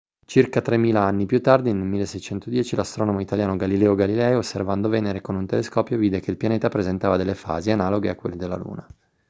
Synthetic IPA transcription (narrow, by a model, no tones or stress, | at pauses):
t͡ʃirkat̪ɾemːiːlaanːipjut̪ːard̪inelmilːesːɛjt͡ʃɛnt̪od̪jɛːt͡ʃilast̪ɾɔːnomoit̪aljaːnoɡalilɛːoɡalilɛːjosːervand̪ovɛːneɾekonunt̪eleskɔːpjoviːd̪ekeilpjaneːt̪apɾezent̪aːvad̪elːefa̰ːzianaːloɡeakːwḛlːed̪elːa̰lṵːna